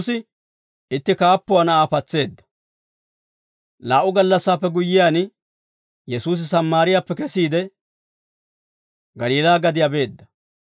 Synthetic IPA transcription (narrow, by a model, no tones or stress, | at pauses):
sɪ | ɪt̪ːɪkaːpːʊwanɐaːfɐt͡sːe̞ːd̪ːɐ̥ | laːʔʊɡɐlːɐsːaːpːɛɡʊjːɪjaːn | jɛsuːs̬ɪsɐmːaːɾɪjaːpːɛkɛsiːd̪ɛ | ɡɐliːlaːɡɐd̪ɪjabe̞ːd̪ːɐ